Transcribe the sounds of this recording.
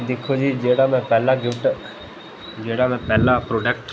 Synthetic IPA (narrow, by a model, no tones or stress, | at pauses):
d̪ɪkʰod͡ʒiːd͡ʒeːɽaːmɛ̃pɛːlaɡɪʋʈ | d͡ʒeːɽamɛ̃pɛːlapɾoːɖek̚ʈ